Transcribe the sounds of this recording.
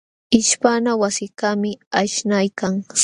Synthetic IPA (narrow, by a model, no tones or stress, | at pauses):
ɪʃpanawasɪkamɪaʃnajkaŋs